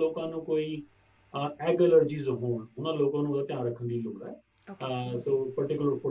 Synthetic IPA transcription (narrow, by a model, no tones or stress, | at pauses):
loːkãːnũːkoːiː | ɛːɡɛləɾd͡ʒiːzɦoːɳʊnãːloːkãːnũːd̪aːt̪ɪjãːɾəkʰənd̪iːloːkɛː | soːpəɾʈɪkʊləɾpʰʊ